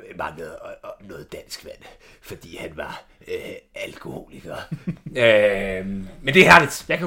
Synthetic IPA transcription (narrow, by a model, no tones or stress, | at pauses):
mɑ̈ŋəð̩ˠnɔ̽ːð̩ˠd̥æn̰sɡ̥ʋæn̰ | fɒ̽d̥ḭːhænʋɑ̈ | ælkʰo̝ho̝̰ːliɡ̥ɐø | mend̥e̝hæɐ̰lid̥jɑ̈ɪkʰæ